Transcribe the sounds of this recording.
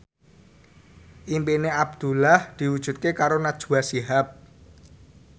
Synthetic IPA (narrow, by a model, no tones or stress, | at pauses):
ʔimpineabd̪̥ṳlahd̪̥i̤wud̥ʒ̥ṳt̪̚kekaɾonad̥ʒ̥ṳwasiɦap̚